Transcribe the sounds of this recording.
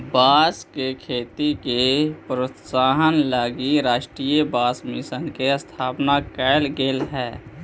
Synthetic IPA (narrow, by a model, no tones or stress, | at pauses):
baːskekʰeːt̪ikepɾot̪saːɦənlaɡiɾaːʃʈɾiːjəbaːsmisənkest̪ʰaːpnakɛːlɡelɦɛː